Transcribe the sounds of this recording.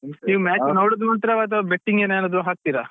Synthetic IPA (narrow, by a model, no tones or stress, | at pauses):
niːʋmaːt͡ʃnoːɽud̪moɳt̪ɾɐʋɐt̪̬ɐbeʈːiŋɡeːneɐːnːɐːd̪uɦaːk̚t̪iːɾa